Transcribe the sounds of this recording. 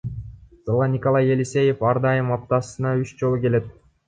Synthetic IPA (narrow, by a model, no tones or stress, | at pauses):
z̥ɑlˠʁɑnʲɪko̞lˠɑjelʲise̞je̞fɑɾd̪ɑjɯmɑp̚t̪ɑsɯnɑyt͡ʃd͡ʒo̞lˠuke̞le̞t̪̚